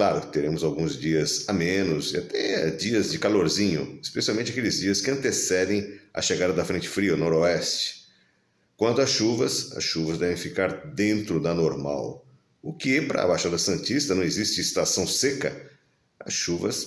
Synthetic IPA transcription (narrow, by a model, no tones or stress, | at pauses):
klaɾʊkɪ̥t̪eɾẽmʊzawɡũzd͡ʒiɐzamẽnʊzɪat̪ɛ̰d͡ʒiɐzd͡ʒɪkaloɾzĩɲʊ̰ɪspesiawmẽnt͡ʃɪakelɪzd͡ʒiɐskɪɐ̃t̪esɛd̪ẽj̃ɐ̰ʃeɡad̪ɐd̪ɐfɾẽnt͡ʃɪ̥fɾiɐnoɾoɛst͡ʃɪ̥ | kwɐ̃nt̪ʊɐsʃuvɐsɐ̰sʃuvɐzd̪ɛvẽj̃fikaɾd̪ẽnt̪ɾʊd̪ɐnoɾma̰w | ʊkɪpɾɐ̰bajʃad̪ɐsɐ̃nt͡ʃist̪ɐnɐ̃w̃ezist͡ʃɪːst̪asɐ̃w̃sekɐ̰ | ɐ̰sʃuvɐ̰s